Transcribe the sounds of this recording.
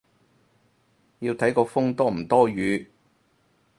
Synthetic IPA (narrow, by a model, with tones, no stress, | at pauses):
ji˧wt̪ʰɐ˨˥jkɔː˧fʊ˥ŋt̪ɔː˥m̩˨˩t̪ɔː˥ɥyː˨˧